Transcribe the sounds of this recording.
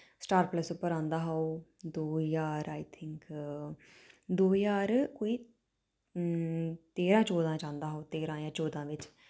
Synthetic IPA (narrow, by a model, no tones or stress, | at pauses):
sʈaːɾpləsʊpːəɾãːnd̪aːɦaoːd̪oːjaːɾaːit̪ʰɪŋk | d̪oːjaːɾkoːiː | t̪eːɾãːt͡ʃoːd̪ãːt͡ʃãːnd̪aːɦoːt̪eːɾãːjãːt͡ʃoːd̪ãːʋɪt͡ʃ